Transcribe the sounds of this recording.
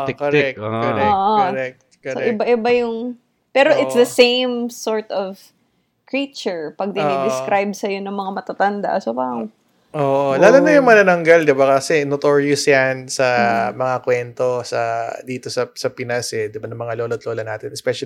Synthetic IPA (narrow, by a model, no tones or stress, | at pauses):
koɾɛk̚koɾɛoːʔoɾɛk̚t̪koɾoɛʔɪbaʔɪbajʊŋ | pɛːɾoʔɪt̪sd̪ɐsẽjmsoɹt̪ɔv | kɹit͡ʃɛɹpɐɡ̚d̪ɪed̪ɪskɾajbsɐjo̞nɐŋmɐŋamɐt̪at̪ɐnd̪a̰ʔɐsɐbaw | ʔoːʔolaːlonɐjʊŋmɐnɐnɐŋɡald̪ɪbakɐsɛnot̪oɹjʊsjansɐmɐŋakwɛnt̪o̞sɐ̰d̪iːt̪osɐsɐpɪnɐsɛd̪ɪbanɐmɐŋaloːlot̪loːlɐnaːt̪ɪnɛspɛʃɐ